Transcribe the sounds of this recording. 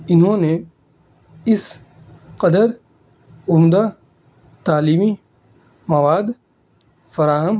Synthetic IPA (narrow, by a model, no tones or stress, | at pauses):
ɪnɦõne | ɪs | qɐd̪əɾ | ʊmd̪a | t̪aːliːmi | mɐʋaːd̪ | fɐɾaːɦəm